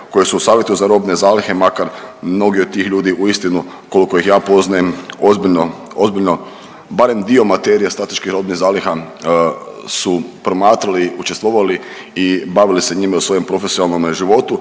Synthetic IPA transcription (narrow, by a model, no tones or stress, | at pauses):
ko̞jesuusaːʋje̞t̪uzaɾo̞bne̞zaːlixe̞makaɾmno̞ɡiod̪̚t̪ːiːxʎuːd̪iʔuist̪inu | ko̞liko̞ixjaːpo̞znajemozbiʎno | ozbiʎno | baɾe̞md̪io̞mat̪e̞ɾijast̪ɾat̪eʃkixɾo̞bnixzaːlixa | supɾo̞maːt̪ɾaliut͡ʃest̪ʋo̞ːʋali | ibaʋilise̞ɲimausʋo̞jempɾo̞fesionalˠno̞mʒiʋo̞t̪u